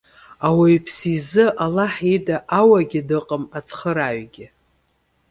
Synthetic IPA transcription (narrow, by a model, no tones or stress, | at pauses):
awajpʰsizɨʔalaħidaʔawaɡʲɪdɨqʼəmat͡sʰχəɾaɥɡʲɪ